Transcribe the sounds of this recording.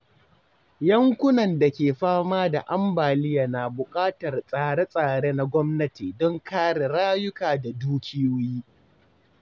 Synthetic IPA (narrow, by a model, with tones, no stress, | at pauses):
jɐ˦ŋkʷʊ˦nɐ˨nda˨kʲeː˨ɸaː˦maː˦da˨ʔa˦mbaː˨lɪ˦jaː˨na˨bʊ˨kʼaː˦tɐ˨rsʼaː˨ɽe˦sʼaː˨ɽe˦na˦ɡʷɔ˦mnɐ˦ti˨dɔ˦ŋkaː˦ɽe˨ɽaː˦jʊ˦kaː˨da˨duː˦kʲʰi˦wʊ˦jiː˦